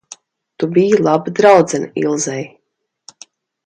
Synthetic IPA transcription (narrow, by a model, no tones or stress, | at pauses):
t̪ubijilˠabɨd̪ɾawd̪zɛnḭlˠzɛj